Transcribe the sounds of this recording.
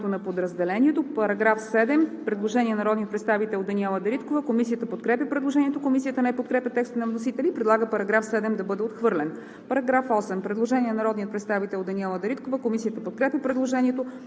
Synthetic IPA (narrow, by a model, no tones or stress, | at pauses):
t̪onɐpod̪ɾɐzd̪ɛlɛnʲiɛt̪opɐɾɐɡɾafsɛd̪ɛmpɾɛd̪lˠoʒɛniɛnɐɾɔd̪nijət̪pɾɛt̪st̪avit̪ɛlˠod̪ɐniɛlˠɐd̪ɐɾit̪kovəkomisijət̪əpot̪kɾɛpʲjəpɾɛd̪lˠoʒɛniɛt̪okomisijət̪ənɛpot̪̚kɾɛpʲjət̪ɛkst̪nɐvnosit̪ɛlʲiːpɾɛd̪lˠaɡəpɐɾɐɡɾafsɛd̪ɛmd̪ɐbɤd̪ɛot̪xvɤɾlɛn | pɐɾɐɡɾafɔsɛmpɾɛd̪lˠoʒɛniɛnnɐɾɔd̪niət̪pɾɛt̪st̪avit̪ɛlˠod̪ɐniɛlˠəd̪ɐɾit̪kovəkomisijət̪əpot̪̚kɾɛpʲjɐpɾɛd̪lˠoʒɛniɛt̪o